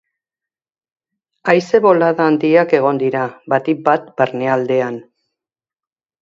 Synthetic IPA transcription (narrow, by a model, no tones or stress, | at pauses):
ajse̞βo̞laðaːnd̪iake̞ɣ̞o̞nd̪iɾaβat̪ik̚bat̪baɾne̞ald̪e̞an